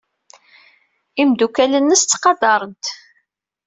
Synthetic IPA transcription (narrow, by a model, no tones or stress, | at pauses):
imd̪ukælənːəst̪t͡sːqɑd̪ɑɾˤənt̪